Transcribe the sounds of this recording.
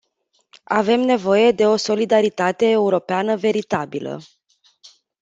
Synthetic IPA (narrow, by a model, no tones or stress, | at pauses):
ave̞mne̞vo̞je̞d̪e̞o̞so̞lid̪aɾit̪at̪e̞ːuɾo̞peanəve̞ɾit̪abilə̰